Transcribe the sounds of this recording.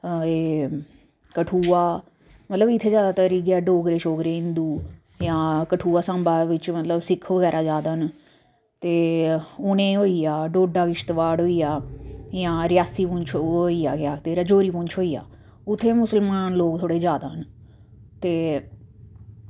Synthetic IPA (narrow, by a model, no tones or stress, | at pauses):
eː | kəʈʰuːaː | mət̪ləbɪt̪ʰːeːd͡ʒjaːd̪aːt̪əɾiːkɛːɖoːɡɾeːʃoːkɾeːɪ̃nd̪uː | jãːkəʈʰuːaːsãːmbaːʋɪt͡ʃmət̪ləbsɪkʰʋəɡɛːɾʔaːd͡ʒaːd̪aːɦən | t̪eːʊnẽːɦoːijaːɖoːɖaːkɪʃt̪ʋaːɽɦoːiːjaːjãːɾɪjaːsiːpʊ̃ɲt͡ʃʰoːiːjaːkɪjaːt̪eːɾəd͡ʒoːɾiːpʊ̃ːɲt͡ʃʰɦoːiːja̰ː | ʊt̪ʰːeːmʊsəlmaːnloːɡt̪ʰoːɽeːd͡ʒjaːd̪aːɦən | t̪eː